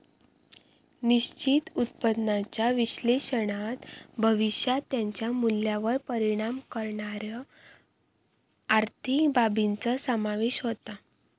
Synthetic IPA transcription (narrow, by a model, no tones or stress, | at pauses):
niɕt͡ɕit̪ut̪̚pəd̪nat͡ɕjaʋiɕleɕəɽ̃at̪bʱəʋiɕjat̪jaɲt͡ɕjamuljaʋəɾpəɾiɽ̃amkəɾɳaɾjə | aɾt̪ʰibabint͡səsəmaʋeɕɦot̪a